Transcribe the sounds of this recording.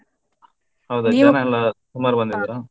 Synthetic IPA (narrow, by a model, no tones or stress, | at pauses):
hɐwd̪unaɛlːɐsumaːɾubɐnd̪id̪iɾa